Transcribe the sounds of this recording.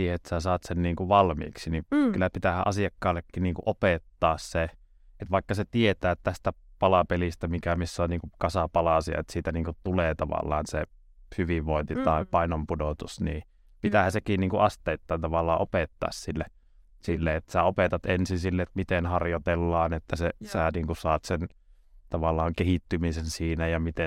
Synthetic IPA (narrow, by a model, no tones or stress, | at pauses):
iːhet̪ːsæsɑːt̪senniːŋkuʋɑlmḭːksinikylːæpit̪æhæ̰ʔɑsiɑkːɑːlːekːinniːŋkṵʔopet̪ːɑːsse | et̪ʋɑˑikːɑset̪iet̪æːtt̪æst̪æpɑlɑpelist̪æmikæmisːonniːŋkukɑsɑpɑlɑsiɑ̰ḛt̪siːt̪æniːŋkut̪t̪uleːt̪ɑʋɑ̰lːˑɑ̰ːnse | hyʋiʋʋoˑint̪it̪ɑˑepɑinompudot̪usniː | pit̪æhæsekiːnniːŋkuʔɑst̪eit̪ːɑːnt̪ɑʋɑlːˑɑːʔopet̪ːɑ̰ːssilːe | silːeet̪ːsæopet̪ɑt̪ensinsilːeet̪mit̪enhɑrjot̪elːɑːnet̪ːæsesæːniːŋkusɑːt̪sen | t̪ɑʋɑlːˑɑːŋkehit̪ːymisensiːnæjɑmit̪e